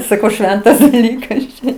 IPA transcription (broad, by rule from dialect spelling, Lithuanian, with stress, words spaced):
sɐˈkɐʊ ˈʃʲʋʲɛntɐs dɐˈlʲiːkɐs t͡ʃʲɛ